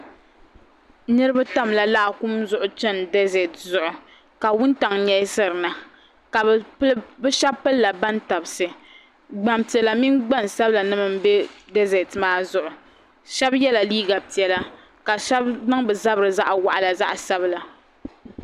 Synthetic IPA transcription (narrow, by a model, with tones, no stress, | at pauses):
nɨ˦ɾɨ˦ba˦ta˦mla˨la˦ʔa˨ku˦mzʊ˦ʔʊ˨t͡ʃɛ˦ndɛ˦zɛ˨tzʊ˨ʔʊ˨ | ka˨wʊ˦n˦ta˨ŋɲɛ˦sɨ˦ɾɨ˨na˨ | ka˨bplbɨ˦ʃa˦bpːɨ˦lla˨ba˦nta˨bsɨ˨ | ɡ͡ba˨mti˨ɛ˨la˨mi˦nɡ͡ba˦n˨sa˦bɨ˦la˨nɨ˦mɨ˨m̩˦bɛ˦de˦zɛ˨tmaː˦zʊ˨ʔʊ˨ | ʃɛ˦bjɛ˦la˨liː˦ɡa˨pi˨ɛ˦la˦ | ka˨ʃɛ˦bnɨ˦ŋbɨ˨za˦bɾɨ˨za˦ʔwa̰˨ʔa˨la˨za̰˦ʔsa˦bɨ˦la˨